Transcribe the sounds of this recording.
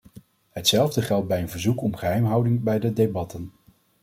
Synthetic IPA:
ɦətsɛlˠvdəχɛlˠd̚bɛjənvəɹzukɔmχəɦɛjmɦɑwdɪŋbɛjdədebɑtən

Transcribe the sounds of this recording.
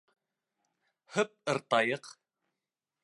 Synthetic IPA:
hɵp̚ɤ̆ɾt̪ɑjɤq

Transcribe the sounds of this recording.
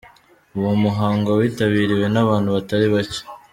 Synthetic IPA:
uwomuɦaːŋɡowiːtaβiːɾiwe̞naβaːnhuβataɾiβace̥

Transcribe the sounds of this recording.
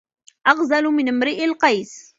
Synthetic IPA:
ʔɑɣzalʊmɪnmɾiʔɪlqɑjs

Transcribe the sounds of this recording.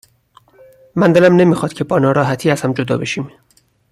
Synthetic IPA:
mænd̪elæmne̞miːxɒːd̪̥cʰe̞bɒːnɒːɾɒːɦæt̪ʰiːæz̥hæmd͡ʒod̪ɒ̰ːbe̞ʃiːm

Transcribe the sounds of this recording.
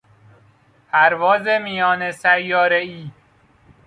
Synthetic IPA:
pʰæɾvɒːzemijɒːnesæjːɒːɾeiː

